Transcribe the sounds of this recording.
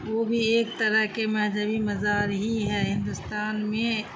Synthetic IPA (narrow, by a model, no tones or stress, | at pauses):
ʋoːbʱieːk̚t̪ɐɾəɦkemɐɦd͡ʒəbimɐzaːɾɦiɦɛːɦɪ̃nd̪ʊst̪aːnmẽ